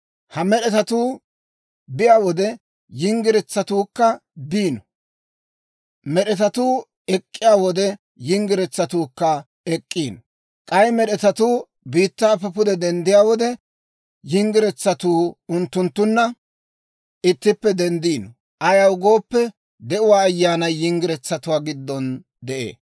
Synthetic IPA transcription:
hɐmɛɗɛt̪ɐt̪uː | bɪjaːwɔd̪ɛ | jɪŋɡɪɾɛt͡sːɐt̪uːkːɐd̪iːnɔ̥ | mɛɗɛt̪ɐt̪uː | ɛkʼːɪjaːwɔd̪ɛ | jɪŋɡɪɾɛt͡sːɐt̪uːkːɐ | ɛkʼːiːnɔ | kʼɐjmɛɗɛt̪ɐt̪uː | biːt̪ːaːpɐpʊd̪ɛd̪ɛnd̪ɪjaːwɔd̪ɛ | jɪŋɡɪɾɛt͡sːɐt̪uːʊnt̪ːʊnt̪ːʊnːɐ | ʔɪt̪ːɪpːɛd̪ɛnd̪iːnɔ | ʔɐjɐwɡo̞ːpːɛ | d̪ɛʔʊwaːjːaːnɐjjɪŋɡɪɾɛt͡sːɐt̪ʊwaːɡɪd̪ːɔn | d̪ɛʔḛː

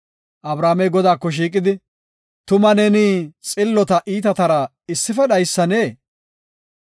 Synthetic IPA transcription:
ʔɐbɾaːmɛjɡɔd̪aːkːɔʃ̬iːkʼɪd̪ɪ | t̪ʊmɐnɛniːt͡sʼɪlːɔt̪ɐʔiːt̪ɐt̪ɐɾɐ | ɪsːɪfɛɗɐjsːɐneː

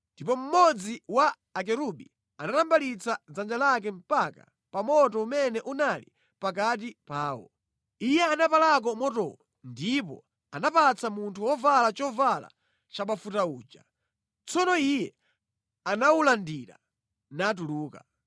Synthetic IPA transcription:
ndipɔm̩mɔd͡ziwaː | k̬ɛɾuɓi | anatambalit͡sad͡zand͡ʒalak̬ɛm̩paka̰ | pamɔtɔumɛnɛʔunalḭ | pakat̬ipaːwɔ̰ | ijɛanapalak̬ɔmɔtɔ̰ | ndipɔ̰ | anapat͡samuntʰuwɔvalat͡ʃɔvala̰ | t͡ʃaɓafutauːd͡ʒa̰ | t͡sɔnɔijɛ | anaulandiɾa̰ | nat̬uluːka

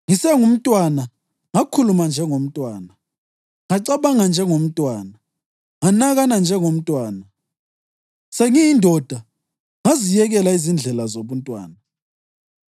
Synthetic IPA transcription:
ŋisɛŋum̩tʼwana | ŋakʰulumand͡ʒʱɛŋom̩tʼwaːna | ŋaǀaβaŋand͡ʒʱɛŋom̩tʼwaːna | ŋanaɣanand͡ʒʱɛŋom̩tʼwaːna | seŋijindʱɔd̥ʱa | ŋazijɛɣɛlaizind͡ɮʱɛlazoβuntʼwa̰ːna

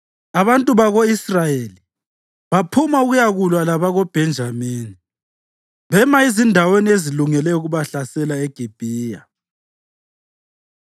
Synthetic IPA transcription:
aβantʼuβaɣoisrajeli | βapʰumauɣujaɣulwalaβaɣob̥ʱɛnd͡ʒʱamiːni | βɛmaizindʱawenieziluŋɛlɛuɣuβaɬasɛlaeɡ̥ʱib̥ʱiːja

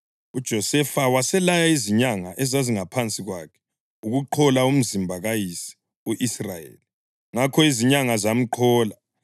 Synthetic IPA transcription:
ud̥ʒ̥ʱɔsɛfawasɛlajaiziɲaŋaʔɛzaziŋapʰant͡sʼiɣwa̰kʰɛ̥ | uɣuǃʰɔlaum̩zimbʱaɣajisi̥ | uʔisrajḛːli | ŋakʰɔiziɲaŋazam̩ǃʰɔːla

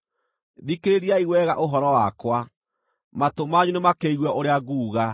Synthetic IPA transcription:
ðikeɾeɾiaiɣwɛɣaʔoɦɔɾɔwakwa | matomaɲunemakeiɣwɛʔoɾeaɣuːɣa

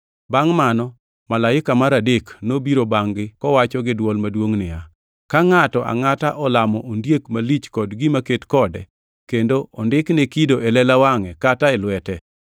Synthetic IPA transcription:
baŋmanɔ | malaɪkamaɾadeknobiɾobaŋɡɪkɔwat͡ʃɔɡɪdwɔlmadwoŋnɪja | kaŋatɔʔa̰ŋataʔɔlamɔʔondjekmalit͡ʃkɔdɡɪmaketkɔdɛ̰ | kendoʔɔndɪknɛkidoʔɛlɛlawaŋɛkataɛlwɛtɛ

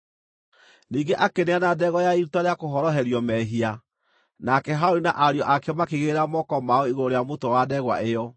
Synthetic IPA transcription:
niːɡeʔakeneanadɛɣɔjaiɾutaɾeakoɦɔɾɔɦɛɾjɔmɛɦia | nakɛɦaoɾinaʔaɾeɔʔakɛmakeɣeɾamɔkɔmaɔiɣooɾejamotowadɛɣwa̰ʔejɔ

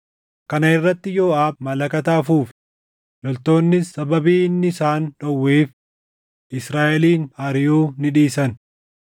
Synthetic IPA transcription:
kɐnɐɪrːɐt̪ːɪjo̞ːaːbmɐlɐkɐt̪ɐɐfuːf | lɔlt̪o̞ːnːɪsɐbɐbiːnːɪsaːnᶑɔwːeːf | ʔɪsɾaːʔɛliːnhɐɾɪjuːnɪᶑiːsɐn

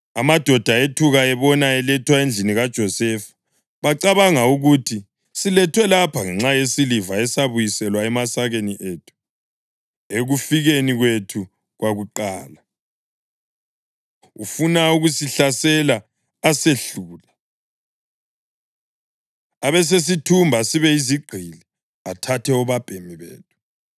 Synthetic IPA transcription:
amad̥ʱɔd̥ʱaetʰuɣaɛβɔnaɛlɛtʰwaend͡ɮʱiniɣad̥ʒ̥ʱɔsɛfḁ | βaǀaβaŋauɣutʰi | silɛtʰwɛlapʰaŋɛŋ͡ǁajesilivaɛsaβujisɛlwaɛmasaɣeniʔetʰu̥ | eɣufiɣeniɣwetʰu | ɣwaɣuǃaːla | ufunauɣusiɬasɛlaː | seɬuːla | aβɛs̬es̬itʰumbʱasiβɛiziɡ͡ǃʱili | atʰatʰɛɔβab̥ʱemiβḛːtʰu̥

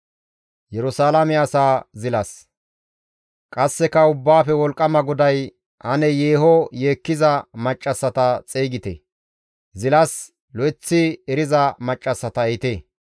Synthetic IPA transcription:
jɛɾʊsaːlɐmɛɐsaːzɪlɐs | kʼɐsːɛkɐʊbːaːfɛwɔlkʼːɐmɐɡʊd̪ɐj | ʔɐnɛjeːɦɔjeːkːɪzɐmɐt͡ʃʼːɐsːɐt̪ɐt͡sʼeːɡɪt̪ḛ | zɪlɐs | lɔɪt͡sːɪɛɾɪzɐmɐt͡ʃʼːɐsːɐt̪ɐɛt̪eː

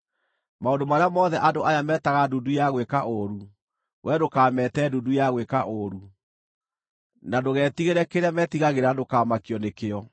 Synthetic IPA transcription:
maondomaɾeamɔðɛʔadoʔajamɛtaɣadudujaɣwekaʔoɾu | wʔɛdokaːmɛtɛdudujaɣwekaʔoɾu | nadoɣɛːtiɣeɾɛkeɾeamɛtiɣaɣeɾadokaːmakiɔnekeɔ

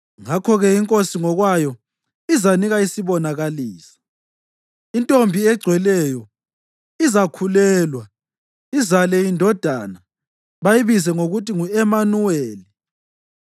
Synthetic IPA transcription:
ŋakʰɔɣɛiŋkʼosiŋɔɣwajɔ | izaniɣaisiβɔnaɣaliːsi̥ | intʼombʱiɛɡ͡ǀʱwɛlɛjɔ | izakʰulɛːlwa | izalɛindʱɔd̥ʱa̰ːna | βajiβizɛŋoɣutʰʼiŋuɛmanuweːli

